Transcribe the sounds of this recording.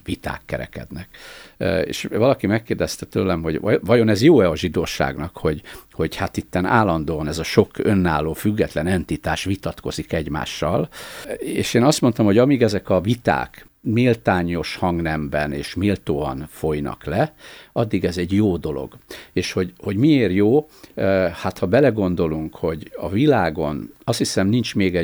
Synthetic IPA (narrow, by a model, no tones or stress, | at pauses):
vit̪a̰ːkːɛɾɛ̰kɛ̰d̪nɛkː | ḛːʃvɒlɒkimɛkːeːrd̪ɛst̪ɛt̪øːlɛmɦo̞ɟvɒjo̞nɛzjoːɛɒʒid̪oːʃa̰ːɡnɒkho̞ɟho̞ɟhat̪it̪ːɛnaːlːɒnd̪oːɒnɛzɒʃo̞kønːa̰ːlːoːfyɡːɛt̪lɛnɛnt̪it̪aːʃʋit̪ɒt̪ko̞zikɛɟma̰ːʃːɒ̰l | ḛːʃeːnɒst̪mo̞nt̪ɒmho̞ɟɒmiːɡɛzɛkɒvit̪a̰ːk | milt̪aːɲo̞ʃhɒŋɡnɛmbɛneːʃmilt̪oːɒ̰nfo̞jnɒ̰klɛɒd̪ːiɡɛzɛɟjoːd̪o̞lo̞̰ɡeːʃho̞ɟho̞ɟmieːrjoː | hat̪hɒbɛlɛɡo̞nd̪o̞luŋkho̞ɟɒvilaːɡo̞nɒst̪hisɛmnint͡ʃmeːɡɛ